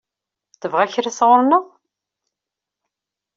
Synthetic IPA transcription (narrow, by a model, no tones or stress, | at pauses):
θəvʁæçɾisʁʊɾnəʁ